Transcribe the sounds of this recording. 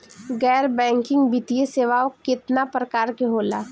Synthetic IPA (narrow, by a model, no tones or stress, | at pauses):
ɡɛːɾbɛ̃ːŋkɪ̃ŋɡbʱɪt̪ijeseːʋaːokɪt̪napɾəkaːɾkeɦoːlaː